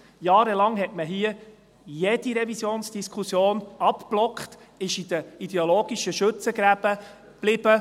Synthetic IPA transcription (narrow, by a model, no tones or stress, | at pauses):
jɑːɾəlɑŋɦɛtməɦiə | jɛd̥iɾɛvisjoːnsd̥iskʰusjoːnɑpplɔkχt | ɪʃid̥̪əid̥ɛoloːɡ̥iʃəʃɵt͡səɡɾæb̥ə | b̥lɪb̥ə